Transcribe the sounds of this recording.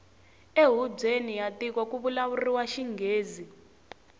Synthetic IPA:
eɦub͡ʐʱenijatik̬wak̬uɓulaβuriwaʃiŋɡʱeːzi

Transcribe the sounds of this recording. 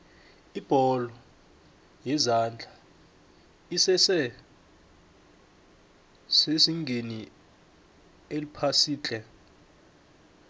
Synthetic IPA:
ib̥ʱɔlɔ | jɛzand͡ɮʱa | isɛsɛ | sesiŋɡʱeni | elipʰasiːt͡ɬʼɛ

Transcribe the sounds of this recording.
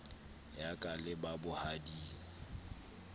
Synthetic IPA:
jakʼalɪbabʊhadiːŋ̩

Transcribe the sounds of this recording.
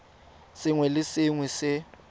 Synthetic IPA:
sɪŋwɛlɪsɪŋwɛsɪ

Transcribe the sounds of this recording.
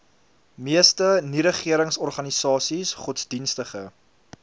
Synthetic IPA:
miəstəniɾəχiəɾəŋsɔrχɐnisɑːsisχɔtsdinstəχə

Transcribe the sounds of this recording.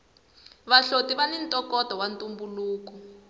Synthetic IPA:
βaɬotiβanintʼɔkɔtɔwantʼumbuluːkɔ

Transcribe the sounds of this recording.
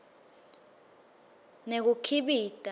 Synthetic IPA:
nek̬ukʰiɓiːtʼa

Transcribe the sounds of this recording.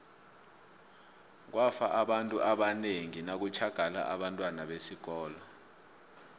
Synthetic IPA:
k̬wafaʔaɓantʼuʔaɓaneŋinak̬ut͡ʃʰaɡ̥ʱala̰ʔa̰ɓantʼwanaɓesik̬ɔːla

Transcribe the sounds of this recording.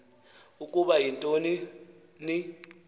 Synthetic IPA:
ukʼuɓajintʼoni | ni

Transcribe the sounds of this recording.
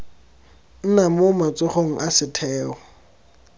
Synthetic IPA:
n̩namomat͡sʼʊχoŋ̩ʔasɪtʰɛːχɔ

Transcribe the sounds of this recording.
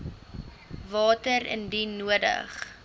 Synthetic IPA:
vɑːtəɾə̰ndinuədə̰χ

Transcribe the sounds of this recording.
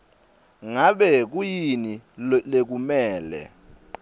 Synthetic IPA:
ŋaɓɛk̬ujinilek̬umɛːlɛ̰

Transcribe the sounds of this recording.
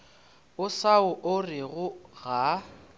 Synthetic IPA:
ʊsaʊʔʊrɪɣʊɣa

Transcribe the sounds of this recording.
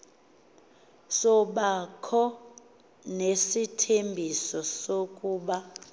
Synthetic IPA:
sɔɓakʰɔ | nesitʰembʱisɔsokʼuːɓa

